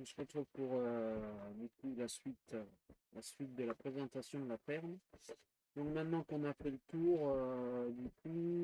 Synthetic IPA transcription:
ɔ̃səʁət̪χuvpuʁød̪ykulasɥit̪ | lasɥit̪̚d̪əlapχezɑ̃t̪asjɔ̃d̪əlafɛʁn | d̪ɔ̃kmɛ̃t̪nɑ̃kɔ̃nafɛlət̪uʁød̪ykʰu

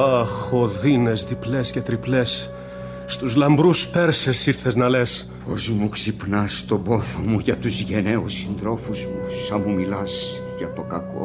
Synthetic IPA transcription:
ɐxoðine̞zðiple̞sce̞t̪ɾiple̞sː | t̪uzlɐmbɾuspe̞ɾse̞siɾθe̞znɐle̞s | po̞̰zmuksipnɐst̪obo̞θomuʝɐt̪uzʝeneusind̪ɾo̞fuzmusɐmumilɐs | ʝɐt̪o̞kɐko̰

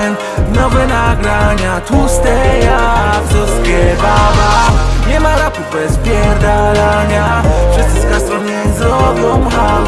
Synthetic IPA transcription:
n | nɔvɛnaɡɾaɲat̪ust̪ɛjakzɔskɛbadaɲɛmaɾapubɛspʲjɛɾd̪alaɲa | ʂɨst̪ɨskast̪ɔmɲɛɲzɾɔvjɔmɦa

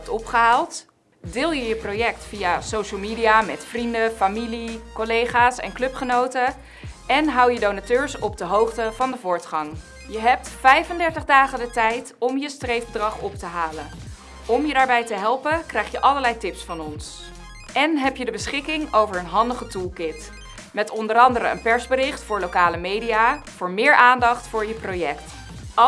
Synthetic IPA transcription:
ɛp̚tɔpχəɦaːlˠt | dɪːlˠjəjəprowjɛk̚tfijasowʃəlˠmiːdijamɛtfrindəfamilikɔlejχaːsɛ̰nklɵpχənowtə | ɛnɦɑwjədownatøːɹsɔb̚dəɦowχtəvɑndəvʊːɹtχɑŋ | jəɦɛp̚tfɛjfəndɛɹtəχdaːχəndətɛjtɔmjəstrejfdrɑχɔptəɦaːlən | ɔmjədaːɹbɛjtəɦɛlˠpəkrɛjχjəʔɑləɹlɛjtɪpsfɑnɔns | ʔɛnɦɛpjədəbəsχɪkɪŋowvəɹənɦɑndəχətulˠkɪt | mɛtɔndəɾɑndəɾəə̰npɛɹzbərɪχtfʊːɹlowkaːləmejdijav̥ʊːɹmɪːɹʔaːndɑχtfʊːɹjəprojɛkt

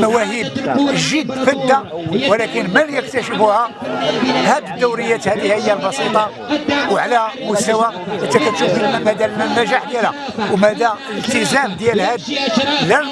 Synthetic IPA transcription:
mæwæɦibʒəd̪ːfəd̪ːawəlækənməljək̚t̪æʃəfuhæ | hæd̪əd̪ːuwɾəjːæt̪hæd̪ihæhəjːælbɑsit̪ˤɑ | wʕlæmʊst̪æwaʔət̪ːækət̪ːʊbimæd̪ælnːæʒaħd̪jælhæwmæd̪æləlt̪əzæmd̪jælhæd̪læ

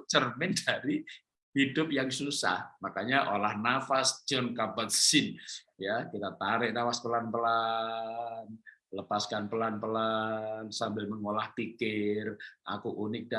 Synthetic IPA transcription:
t͡ʃərmɪndaɾi | hidʊp̚jaŋsusa̰hmakaɲaʔolahnafasd͡ʒɔnkapət̪sɪn | jakit̪at̪aɾɪʔnawaspəlanpəla | nləpaskanpəlanpəlansambɪlməŋolahpikɪrʔa̰kuʔunɪk̚da

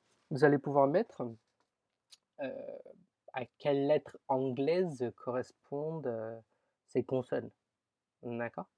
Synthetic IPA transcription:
vuzalepuvwaʁmɛt̪χ | ø̰ | akʲɛlːɛt̪χɑ̃ɡlɛzkʰɔʁɛspʰɔ̃d̪ø | sekɔ̃sɔl | d̪akɔːʁ

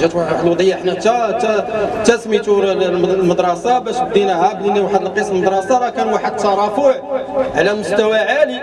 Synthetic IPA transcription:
ʒæt̪waħəwaəd̪wd̪ˤəjːaħnæt̪æt̪æt̪æsmit̪uɾməd̪ɾˤɑsɑbæʃb̚d̪ˤinæhæbniniwaħəd̪əlqesˤlməd̪ɾˤɑsɑɾˤɑkænwaħəd̪̚t̪ːɑɾˤɑfuʕʕlæmʊst̪æwæʕali

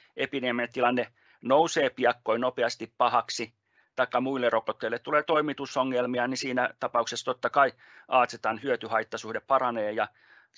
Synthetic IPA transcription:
epiniemnet̪ilɑnːe | nouseːpiɑkːoinopeɑst̪ippɑhɑksi | t̪ɑikːɑmuilːerokot̪ːeilːet̪t̪ːuleːt̪oimit̪usoŋːelmiɑnisiːnæt̪ɑpɑuksest̪ot̪ːɑkɑi | ʔɑːt̪set̪ɑnhyøt̪yhɑit̪ːɑsuhdeppɑɾɑneːjɑ

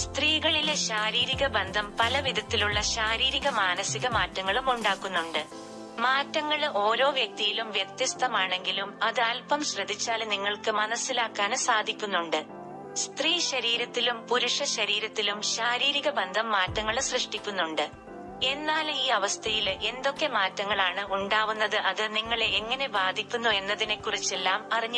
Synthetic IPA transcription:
st̪riːɣɐɭileɕaːɾiːɾiɣɐbend̪ʱɐmpɐlɐʋid̪ʱɐt̪ːiluɭːɐɕaːɾiːɾiɣɐmaːnɐsiɣɐmaːtːɐŋːɐɭumuɳɖaːkːunːuɳɖɨ | maːtːɐŋːɐɭo̞ːɾo̞ːʋjɐk̚t̪ijilumʋjet̪jɐst̪ʰɐmaːɳe̞ŋɡilumɐðɨaːlpɐmɕrɐd̪ʱit͡ɕːaːlniŋːɐɭkɨmɐnɐsːilaːkːaːnsaːd̪ʱikʲːunːuɳɖɨ | st̪riːɕɐɾiːɾɐt̪ːilumpuɾuʂɐɕɐɾiːɾɐt̪ːilumɕaːɾiːɾiɣɐbɐnd̪ʱɐmːaːtːɐŋːɐɭsrɨʂʈikʲːunːuɳɖɨ | e̞nːaːliːɐʋɐst̪ʰɐjilʔe̞nd̪o̞kːe̞maːtːɐŋːɐɭaːɳɨʔuɳɖaːʋunːɐðɨʔɐðɨniŋːɐɭeeŋːɐne̞baːd̪ʱikʲːunːue̞nːɐðine̞kːurit͡ɕːe̞lːaːmɐriɲːu

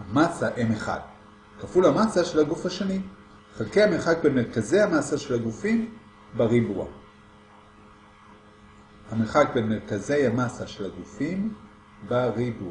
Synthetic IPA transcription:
amasaʔemeχa̰d | kafulhamasaʃe̞laɡufhaʃani | χelkejameχak̚benmeʁkaze̞jhamasaʃe̞laɡufim | baʁibua̰ | hameχak̚benmeʁkaze̞jhamasaʃe̞laɡufim | baʁibua

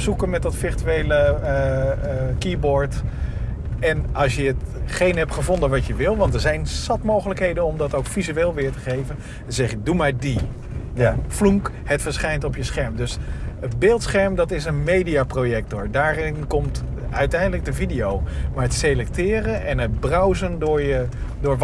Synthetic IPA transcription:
psukənmɛt̚dɑtfɪrtyejlə | kiboɹt | ɛnɑlˠsjəətχejnɦɛptχəvɔndənʋɑtjəʋɪlˠʋɑntəɹzɛjnsɑtmowχələkɦejdənɔmdɑtowkfizyeːlˠʋɪːɹtəχejvən | əzɛχədumaɹdi | fluŋk | hətfəɹsχɛjntɔpjəsχɛɹmdøsətbeːlˠtsχɛɹmdɑtɪsənmejdiaprojɛk̚tʊɹdaːrɪnkɔmt | œɥtɛjndələɡ̚dəvidijowmaːɹətselɛk̚tɪːrənʔɛnɦət̚brɔwzəndʊɹjədʊːɹʋ

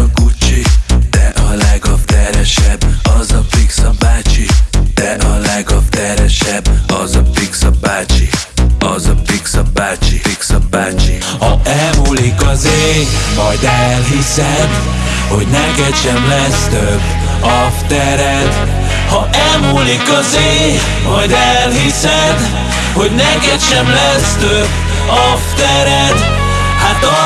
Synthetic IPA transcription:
ɒkut͡ʃid̪̥ɛʔɒlɛɡɒft̪ɛɾɛʃɛbɒzɒpiksɒbaːt͡ʃid̪̥ɛʔɒlɛɡɒft̪ɛɾɛʃɛbɒzɒpiksɒbaːt͡ʃiɒzɒpiksɒbaːt͡ʃiiksɒbːaːt͡ʃi | hɒɛlmuːlikɒzeːmɒjd̪ɛlɦisɛd̪ | ho̞̰ɟnɛkɛd̪ʃɛmlɛst̪øbː | ɒ | ft̪ɛɾɛd̪ | hɒʔɛlmuːlikɒzeː | mɒjd̪ɛlhisɛd̪ | ho̞ɟnɛkɛd̪ʃɛmlɛst̪øb | ɒft̪ɛɾɛd̪ | haːt̪

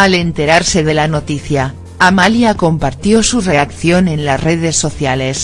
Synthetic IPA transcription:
ale̞nt̪e̞ɾaɾse̞ðe̞lano̞t̪iθja | amaljako̞mpaɾt̪jo̞sure̞akθjo̞nẽ̞nlasre̞ð̞e̞sːo̞θjale̞s

